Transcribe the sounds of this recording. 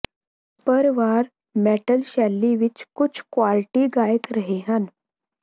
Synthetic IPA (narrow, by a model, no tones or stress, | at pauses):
pəɾʋaːɾ | meːʈəlʃɛːlːiʋɪt͡ʃkʊt͡ʃʰkwaːlɪʈiɡaːjət̪ɾəɦeɦən